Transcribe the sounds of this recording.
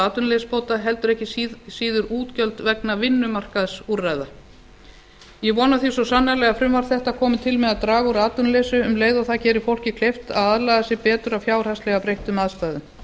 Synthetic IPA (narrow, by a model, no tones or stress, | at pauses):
aːt̪ʏnlespowt̪aɦɛl̪t̪ʏɾɛhcɪsiːðʏɾuːt̪cœlt̪vɛknavɪnːʏmar̥kaðsurːaːjða | jɛvɔːnaθisɔsanːalɛɣafɾʏmvaɾ̥θɛht̪akʰɔːmɪt̪ʰɪlmɛðaðt̪ɾaːɣuɾaːt̪ʏnleːsʏʏmleːjðaθacɛːɾɪfowl̥cɪkʰlejft̪a̰ðaðlajɣðasɛpɛːt̪ʏɾawfjaːwr̥aslɛɣapɾejht̪ʏmaðst̪aːjðʏm